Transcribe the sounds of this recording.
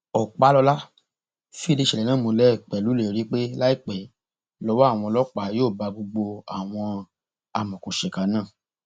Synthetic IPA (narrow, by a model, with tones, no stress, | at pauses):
ɔ˨k͡pa˨˦lɔ˧la˦ | fĩ˦˧de˧˦ʃɛ˧˨ɛ˨nãː˦˨mõ˧lɛ˦˨k͡pɛ˨lu˨˦le˦˨o˨ɾi˦k͡pe˦la˦i˦˨k͡pɛ˨ | lɔ˨˦wa˦a˦˨w̃ɔ̃˧lɔ˦k͡pa˨joː˦˨ba˧ɡ͡bo˧ɡ͡bo˧a˨w̃ɔ̃˧ | a˧mɔ̃˨kõ˨ʃɛ˨ka˨˦nãː˦˨